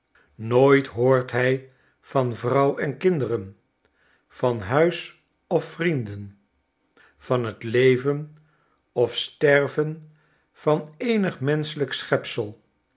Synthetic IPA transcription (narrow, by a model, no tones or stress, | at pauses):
noːjtɦoːɹtɦɛj | v̥ɑnvrɑwɛnkɪndərən | v̥ɑnɦœɥs | ɔfrindən | v̥ɑnɦətlejvən | ɔfstɛrvən | v̥ɑnejnəχmɛnsələksχɛpsəlˠ